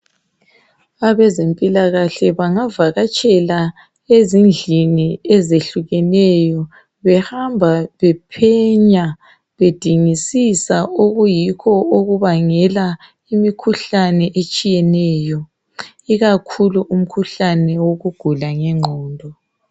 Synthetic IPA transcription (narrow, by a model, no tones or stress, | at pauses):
aβɛzempʼilaɣaɬɛβaŋavaɣat͡ʃʼɛla | ezind͡ɮʱiniɛzeɬuɣɛnɛjɔ | βɛhambʱaβɛpʰɛɲa | βed̥ʱiŋisisaoɣujikʰɔoɣuβaŋɛla | imikʰuɬanɛʔet͡ʃʼijɛnɛːjɔ | iɣakʰuluʔum̩kʰuɬanɛwoɣuɡ̥ʱulaŋɛŋ͡ǃʱɔːndʱɔ